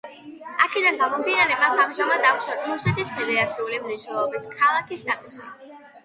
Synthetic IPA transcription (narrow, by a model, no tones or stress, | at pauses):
akʰid̪anɡamɔmd̪inaɾɛmasamʒamad̪auʃat̪ʰuʃnɛt̪ʰispʰɛlɛat̪sʰiulimniʃnɛlˠɔbiskʰalˠakʰisd̪at̪ʼusḭ